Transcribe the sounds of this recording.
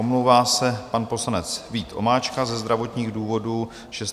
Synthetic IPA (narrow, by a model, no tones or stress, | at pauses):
omlowvaːsɛpanpo̞slanɛt͡sviːt̪ʔo̞̰maːt͡ʃkazɛzd̪ɾavo̞t̪ɲiːɣduːvo̞duː | ʒ̥ɛs